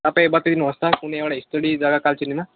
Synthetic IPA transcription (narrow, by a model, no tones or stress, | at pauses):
apẽbat̪ed̪inəst̪akuneʋɽaist̪əɽid͡zaɡakalt͡ɕinima